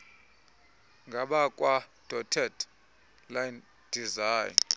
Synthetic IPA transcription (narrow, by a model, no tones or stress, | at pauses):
ŋɡʱaɓakʼwad̥ʱɔtʰɛd | lajn | d̥izaːjn